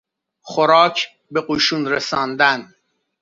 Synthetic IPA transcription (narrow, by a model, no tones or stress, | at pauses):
χoɾɑːcʰ | bequːʃuːnɾesɑːnd̪æn